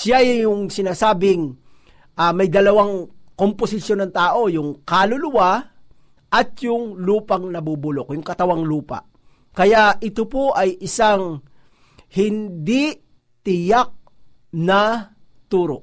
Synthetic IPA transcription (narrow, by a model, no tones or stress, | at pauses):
ʃajʊŋsɪnaːsaːbɪŋ | ʔɐmɐjd̪ɐlɐwaŋkomposɪʃjo̞nɐŋt̪aːʔo̞jʊŋkalʊlʊwa | ʔɐt̪̚jʊŋluːpɐŋnɐbubʊlokjʊŋkɐt̪ɐwaŋluːpɐ̰ | kɐjaʔʔɪt̪opoʔɐjʔɪsaŋ | hɪnd̪ɪ | t̪ɪjak̚ | nɐ | t̪uːɾo̰ʔ